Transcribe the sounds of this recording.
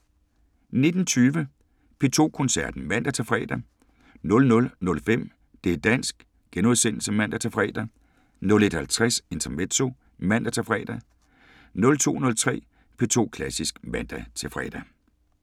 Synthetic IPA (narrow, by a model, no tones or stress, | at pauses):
ne̝d̥n̩t͡sʰyːʋə | pʰe̝ːt͡sʰo̝̰ːkʰɔ̽nsæɐd̥n̩mæn̰d̥æt͡sʰe̝fʁɛ̰ːd̥æ | nɔ̽lnɔ̽lnɔ̽lfem̰ | d̥e̝d̥æn̰sɡ̥ | ɡ̥enuðˠsen̰l̩səmæn̰d̥æt͡sʰefʁɛ̰ːd̥æ | nɔ̽le̝d̥hælt͡sʰʁase̝nt͡sʰɐmet͡sʰo̝ | mæn̰d̥æt͡sʰefʁɛ̰ːd̥æ | nɔ̽lt͡sʰo̝̰ːnɔ̽lt͡sʰʁɛ̰ː | pʰe̝t͡sʰo̝̰ːkʰlæsisɡ̥mæn̰d̥æt͡sʰefʁɛ̰ːd̥æ